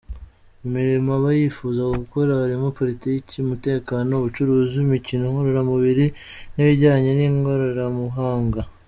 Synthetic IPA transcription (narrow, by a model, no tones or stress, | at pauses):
umiɾimaβajiːfuːzakoɡuko̞ɾaaɾimuipo̞ɾitiːciumute̞ːkaːno̞βut͡ʃuɾuːziumicinoŋo̞ɾoɾamuβiɾi | niβiɾɟaːɲeniŋɡoɾoɾamuɦaːŋɡa